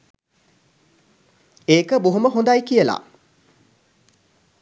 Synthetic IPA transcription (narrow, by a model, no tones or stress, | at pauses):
eːkəbuɦuməɦond̪ajkijəla̰